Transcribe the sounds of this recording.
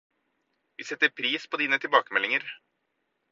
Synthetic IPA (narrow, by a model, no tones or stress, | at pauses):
ʋiːsɛt̪ːəɾpʰɾiːspʰoːd̪iːnət̪ʰɪlbɑːkəmɛlɪŋəɾ